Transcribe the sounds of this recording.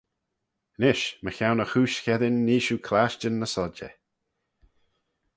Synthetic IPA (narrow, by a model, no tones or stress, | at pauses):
nɪʃməçawnəxuːʃçɛðɪnːiːʃukʰlaʃt͡ʃənːəsɔd͡ʒɛ̰